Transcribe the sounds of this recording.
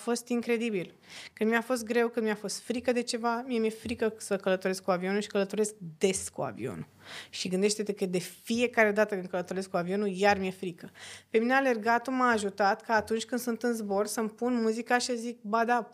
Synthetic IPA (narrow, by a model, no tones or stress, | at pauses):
fo̞st̪iŋkɾe̞d̪ibil | kɨnmiafo̞st̪̚ɡɾe̞wkɨnmiafo̞st̪fɾikəd̪e̞t͡ʃe̞vamiemjefɾikəsəkələt̪oɾe̞skuavio̞nuʃi̥kələt̪o̞ɾe̞sk̚d̪e̞skua̰vḭo̰nu | ʃiɡɨnd̪e̞ʃt̪et̪eked̪e̞fie̞kaɾe̞d̪at̪əkɨn̚kələt̪oɾe̞skuavio̞nujarmje̞fɾikəpe̞mineale̞rɡat̪omaːʒut̪at̪kaːt̪unt͡ʃʲkɨnd̪sunt̪ɨnzbo̞rsəmpunmuzikaʃiszik̚bad̪a